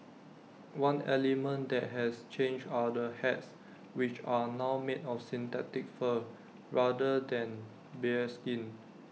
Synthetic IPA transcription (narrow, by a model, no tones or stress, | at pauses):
wãnɛlimə̃ndɛt̚ɦɛst͡ʃẽnd͡ʒdadəhɛts | wit͡ʃanawmedɔfsĩnt̪ɛtɪk̚fə | ɹadədɛ̃n | bɛskĩn